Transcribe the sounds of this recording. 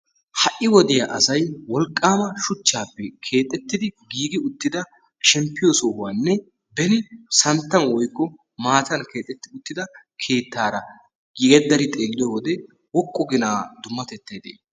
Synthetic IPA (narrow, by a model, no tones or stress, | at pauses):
hɐʔːɪwɔd̪ɪjɐʔɐsɐjwɔlkʼːaːmɐʃʊt͡ʃːaːpːɛkʰe̞ːt̪ʼːɛt̪ːɪd̪ɪɡiːɡɪʊt̪ːɪd̪ɐ | ʃɛmpːɪjosɔwaːnːɛ | bɛnɪsɐnt̪ːɐnwɔjkːɔ | maːt̪ɐnke̞ːt̪ʼːɛt̪ːɪʊt̪ːɪd̪ɐ | kʰe̞ːt̪ːaːɾɐ | ɡɛd̪ːɐɾɪt̪ʼe̞ːlːɪjowɔd̪ɛ | wɔkʼːɔɡɪnaːd̪ʊmːɐt̪ɛt̪ːeːd̪ḛː